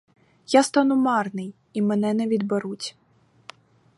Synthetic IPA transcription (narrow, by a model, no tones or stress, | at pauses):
jast̪ɑnʊmɑrnɪj | imɛnɛnɛʋʲid̪beɾutʲ